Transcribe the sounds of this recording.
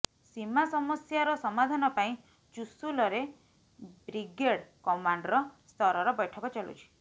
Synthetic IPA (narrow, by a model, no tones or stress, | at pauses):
simasɔmɔsjaɾɔsɔmad̪ʱanɔpaĩ | t͡ʃusulɔɾe | bɾiɡeɽkɔmaɳɖɾɔst̪ʰɔɾɔɾɔbɔjʈʰɔkɔt͡ʃalṵt͡ʃʰi̥